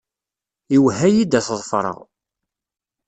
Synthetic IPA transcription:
iwɦæjid̪æθðˤfɾˤə̰ʁ

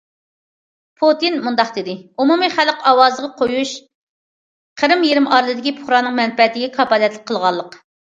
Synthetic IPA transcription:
pʰot̪inmund̪ɑqd̪ɪd̪ɪumumɨχælqɑwɑzəʁɑqʰojuʃ | qʰəɾɨmjiɾɪmʔɑɾlˠɨd̪ɪkʲipʰʊχɾɑːnɨŋmɛnfɛt̪ɪɡʲɛkʰɑpɑlɛt̪lɪk̚ʲqʰːəlˠʁɑlˠːəq

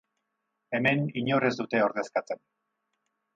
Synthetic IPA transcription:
e̞me̞niɲo̞re̞zd̪ut̪e̞o̞ɾðe̞skat͡se̞n

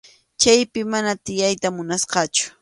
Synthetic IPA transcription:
t͡ʃajpɪmanat̪ɪjajt̪amʊnasqɑt͡ʃʊ̥

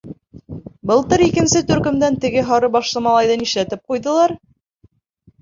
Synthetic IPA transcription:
bɤ̆lˠt̪ɤɾikɘ̆nsɘt̪ɵ̆ɾkɵ̆md̪ænt̪ɘ̆ɡɘɦɑɾɤbɑʃlˠɤmɑlˠɑjðɑniʃlæt̪ɘp̚qujðɤ̆lˠɑɾ

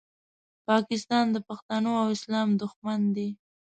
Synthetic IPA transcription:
pɑkɪs̬t̪ɑnd̪əpaxt̪anoawɪslɑmd̪ʊxmand̪i

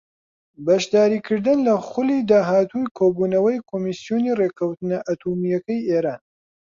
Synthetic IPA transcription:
bɐʃd̪aːɾiːkʰɨɾd̪ɨnlɐxʊliːd̪aːɦaːt̪ʰujkʰoːbuːnɐwɐjkʰomisjonireːkʰɐwt̪ɨnɐʔɐt̪ʰumijɐkɐjʔeːɾaːn

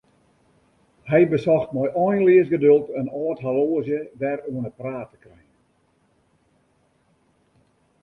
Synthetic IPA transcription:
hɛjbəsɔxtmɔjʔɔjnliəsɡədølˠtənɔːtɦaloːzjədɛruənəpraːtə̥krɛjən

